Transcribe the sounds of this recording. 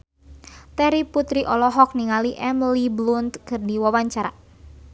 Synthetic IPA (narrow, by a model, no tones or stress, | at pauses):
t̪ɛɾiput̪ɾiʔɔlɔɦɔk̚niŋaliʔɛmliblunt̪kɨrdiwawaɲt͡ʃaɾa